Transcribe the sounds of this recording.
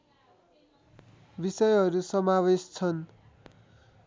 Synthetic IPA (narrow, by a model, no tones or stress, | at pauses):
bisʌjɦʌɾusʌmawest͡sʰʌn